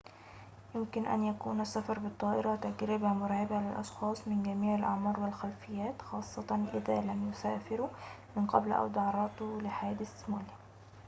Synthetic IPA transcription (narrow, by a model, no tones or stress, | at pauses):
jʊmkɪnʔæ̰njækuːnæsːafɑɾˤbɨt̪ˤːɑːʔɪɾɑt̪æɡɾɪbæmʊɾˤɑʕɪbalɪlʔɑʃxɑːsˤmɪnɡæmiːʕɪlʔɑʕmɑːɾˤwɪlxælfɪjːæːt̪xɑːsˤːɑt̪ˤɑnʔɪðæːlæmjʊsæːfɪɾumɪnqɑ̰blʔa̰wd̪ɑʕɑɾˤɑt̪ulɪħaæːd̪ɪsmæːli